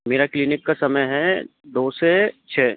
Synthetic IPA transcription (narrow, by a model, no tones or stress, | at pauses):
meːɾaklinɪkːasɐməjɦɛd̪oːset͡ʃʰɛː